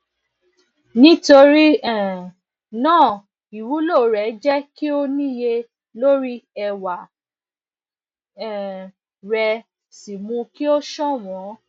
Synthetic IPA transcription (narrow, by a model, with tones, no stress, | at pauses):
nĩ˦to˧ɾi˦ɛ˦˨ | nãː˦˨ | i˨wu˨˦lo˦˨ɾɛ˨˦d͡ʒɛ˦ki˦o˦nĩ˦˨je˧ | lo˦ɾi˦ɛ˧wa˨ | ɛ̃˨ | ɾɛ˧ | si˨mũ˧ki˦o˦ʃɔ˦w̃ɔ̃˨˦